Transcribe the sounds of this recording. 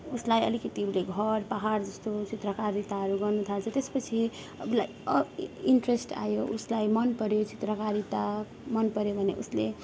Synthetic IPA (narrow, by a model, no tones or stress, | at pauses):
uslajʌ̰likʌt̪ibleɡʱʌɾpaɦaɾd͡zʌst̪ot͡sit̪ɾəkaɾdit̪aɦʌɾuɡʌɾnut̪ʰalt͡sʰʌt̪espʌt͡sʰi | ʌbulajʌiɳʈɾesʈa̰joʔuslajmʌnpʌɾjot͡sit̪ɾəkaɾit̪a | mʌnpʌɾjobʱʌnḛʔusle